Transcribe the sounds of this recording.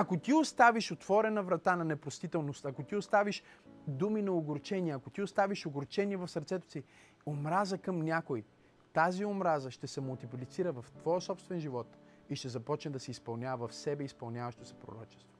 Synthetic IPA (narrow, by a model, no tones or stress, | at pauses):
ɐkot̪iost̪aviʃot̪v̥ɔɾɛnɐvɾɐt̪anɐnɛpɾost̪it̪ɛlˠnost̪ɐkot̪iost̪aviʃd̪uminɐoɡoɾt͡ʃɛniɛɐkot̪iost̪aviʃoɡoɾt͡ʃɛnʲiɛvɐfsɐɾt̪sɛt̪ʊ̥si | omɾazəkəmnʲakoj | t̪aziomɾazəʃt̪ɛsɛmʊlˠt̪iplit̪siɾəvɐft̪vɔjəsɔpst̪vɛnʒivɔt̪ | iʃt̪ɛzɐpɔt͡ʃnɛd̪ɐsɛispɐlˠnʲavɐvɐfsɛbɛispɐlˠnʲavəʃt̪osɛ̥pɾo̰ɾɔt͡ʃɛ̥st̪voo